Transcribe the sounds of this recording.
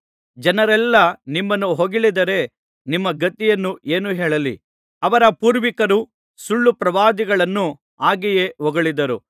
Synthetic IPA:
d͡ʒɐnɐɾɛlːɐnimːɐnːuɦoɡiɭid̪ɐɾe̞ | nimːɐɡɐt̪ijɐnːuʔeːnuɦɛːɭɐlḭ | ɐʋɐɾɐpuːɾʋikɐɾu | suɭːupɾɐʋaːd̪iɡɐɭɐnːu | aːɡijeʋɔɡɐɭid̪ɐɾu

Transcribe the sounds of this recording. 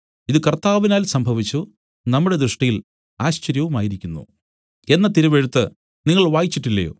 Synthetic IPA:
iðɨkɐrt̪aːʋinaːlsɐmbʱɐʋit͡ɕːu | nɐmːuɽe̞d̪ɾɨʂʈijil | aːɕt͡ɕɐɾjɐʋumaːjiɾikʲːunːṵ | e̞nːɐt̪iɾɐʋeɻut̪ːɨ | niŋːɐɭʋaːjit͡ɕːiʈːilːɐ̰jo̰ː

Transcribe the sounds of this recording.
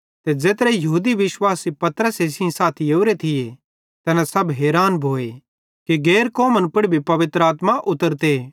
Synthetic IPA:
t̪ed͡ʒeːt̪ɾejɐɦuːd̪iʋɪʃwaːsipɐt̪ɾəseːsɪ̃saːt̪ʰijoʊɾet̪ʰɪje | t̪ɛnãsɐbɦeːɾaːnbʱoːe | kiɡeːɾkoːmənpʊɽbʱipɐʋɪt̪ɾəaːt̪mãʔʊt̪əɾt̪e

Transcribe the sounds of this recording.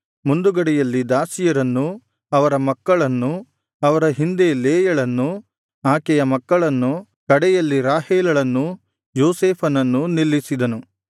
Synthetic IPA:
mund̪uɡɐɽɛjɐlːid̪aːsijɐɾɐnːu | ɐʋɐɾɐmɐkːɐɭɐnːu | ɐʋɐɾɐɦind̪e̞leːjɐɭɐnːu | aːkɛjɐmɐkːɐɭɐnːu | kɐɽɛjɐlːiɾaːɦɛːlɐɭɐnːu | joːseːpʰɐnɐnːunilːisid̪ɐnu

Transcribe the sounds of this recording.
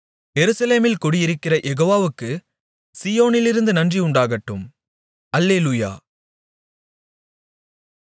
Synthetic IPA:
jɛɾɯsɐleːmɪlkɔɽɪjɪɾɯkːɪrɐʔɛɣoːʋaːʋɯkːɯ | sijoːnɪlɪɾɯnd̪ɯnɐndriʊɳɖaːɣɐʈːɯm | ɐlːeːluja̰ː

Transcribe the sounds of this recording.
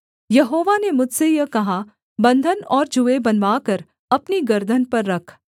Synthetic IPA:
jɐɦoːʋanemʊd͡ʒʱsejɐkɐɦa | bɐ̃nd̪ʱənɔːɾd͡ʒʊebɐnʋaːkɐɾ | ɐpniɡɐɾd̪ʱənpɐɾːɐkʰ

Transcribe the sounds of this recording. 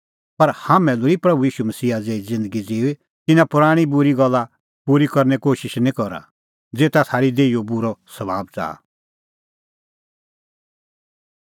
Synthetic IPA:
pɐɾhaːmɛ̃lʊipɾɐbujiːʃumɐsiːad͡zeːid͡zɪ̃nd̪əɡid͡ziːwe | t̪ɪnãpʊɾaːɽ̃ibʊɾiɡɔlːa | puɾikɔɾnɛkoːʃɪʃnĩkɔɾa̰ | d͡zeːt̪at̪ʰaːɾid̪eːijobʊɾɔsɐbaːb̚t͡sa̰ː

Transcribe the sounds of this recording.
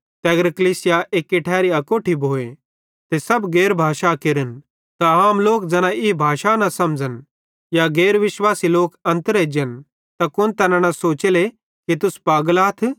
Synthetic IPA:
t̪ɛːɡəɾkəliːsɪjaʔeːkːɪʈʰɛːɾiɐkoːʈʰibʱoːe | t̪esɐbɡeːɾbʱaːʃakɪɾən | t̪aaːmloːk̚d͡zɐnãibʱaːʃanɐsɐmd͡zən | jaɡeːɾʋɪʃʋaːsiloːkɐ̃nt̪ɾeːd͡ʒən | t̪ɐkʊnt̪ɐnanɐsoːt͡ʃele | kit̪ʊspaːɡlaːt̪ʰ

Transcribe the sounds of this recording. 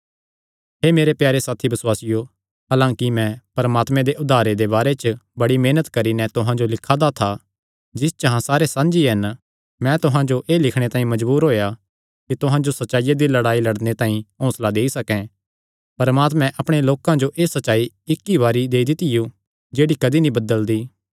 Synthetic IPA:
ɦeːmeːɾepjaːɾesaːt̪ʰibɐswaːsɪjo | ɦaːlãːkimɛ̃pɐɾmaːt̪mɛ̃d̪eʔʊd̪ʱaːɾed̪eβaːɾet͡ʃbɐɽimeːnət̪kɐɾinɛt̪ʊɦãd͡ʒolɪkʰad̪at̪ʰa | d͡ʒɪst͡ʃɐɦãsaːɾesãːnd͡ʒiɦɐn | mɛ̃t̪ʊɦãd͡ʒoʔeːlɪkʰɽ̃et̪ãːĩmɐd͡ʒbuːɾɦoːja | kit̪ʊɦãd͡ʒosɐtːt͡ʃaːijad̪ilɐɽaːilɐɽnet̪ãːĩɦɔ̃ːslad̪eːisɐkɛ̃ | pɐɾmaːt̪mɛ̃ʔɐpɽ̃eloːkãd͡ʒoʔeːsɐt͡ʃʃaːi | ɪkːiʋaːɾid̪eːid̪ɪt̪ɪju | d͡ʒeːɽikɐd̪inĩbɐd̪əld̪iː

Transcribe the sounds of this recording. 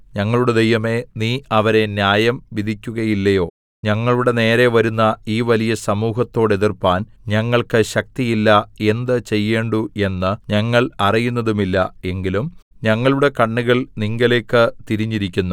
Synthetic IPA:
ɲɐŋːɐɭuɽed̪ejʋɐme̞niːɐʋɐɾe̞njaːjɐmʋid̪ʱikʲːuɣɐjilːɐjo̞ː | ɲɐŋːɐɭuɽe̞ne̞ːɾe̞ʋɐɾunːɐiːʋɐlijɐsɐmuːɦɐt̪ːo̞ːɽeðirpːaːnɲɐŋːɐɭkɨɕɐk̚t̪ijilːɐe̞nd̪ɨt͡ɕe̞jːeːɳɖue̞nːɨɲɐŋːɐɭɐrijunːɐðumilːɐe̞ŋɡilum | ɲɐŋːɐɭuɽe̞kɐɳːuɣɐɭniŋɡɐle̞ːkːɨt̪iɾiɲːiɾikʲːunːu

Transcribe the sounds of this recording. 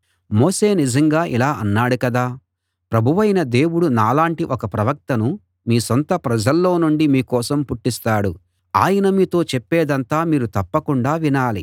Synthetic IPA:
moːse̞ːnid͡ʒɐŋɡaːʔilaːʔɐnːaːɽukɐd̪aː | pɾɐbʱuʋɐjnɐd̪e̞ːwuɽunaːlaːɳʈiʔɔkɐpɾɐʋɐk̚t̪ɐnu | miːsont̪ɐpɾɐd͡ʒɐlːo̞ːnuɳɖimiːkɔːsɐmpuʈːist̪aːɽu | aːjɐnɐmiːt̪o̞ːt͡ʃɛpːɛːd̪ɐnt̪aːmiːɾut̪ɐpːɐkuɳɖaːʋinaːlḭ

